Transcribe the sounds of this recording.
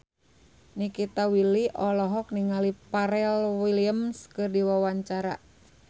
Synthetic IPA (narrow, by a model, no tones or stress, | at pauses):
nikit̪awiliʔɔlɔɦɔk̚niŋalipaɾɛlwiliəmskɨrdiwawaɲt͡ʃaɾa̰